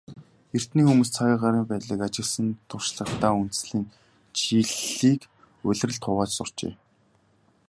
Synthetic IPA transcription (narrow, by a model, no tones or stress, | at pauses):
er̥t̪niːxumuːst͡sʰaɣʲiːɢaɾiːmpæːt̪ɮĭːkat͡ɕɪ̆ksə̆nt̪ʰʊr̥ʃɮə̆χt̪aːun̥t̪ɘ̆sɮiːn | t͡ɕʰiɮiːk | ʊɮ̆ʲrə̆ɮt̪ʰʊʁaːt͡ɕsʊr̥t͡ɕḛː